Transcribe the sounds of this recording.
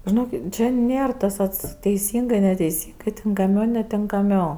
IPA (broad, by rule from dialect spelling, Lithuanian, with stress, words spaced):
ʒʲɪˈnoːkʲɪt ˈt͡ʃʲɛ ˈnʲeːr tɐs ˈɐts tʲɛɪˈsʲiːŋɡɜ nʲɛtʲɛɪˈsʲiːŋɡɜ tʲɪŋkɐˈmʲɛʊ nʲɛtʲɪŋkɐˈmʲɛʊ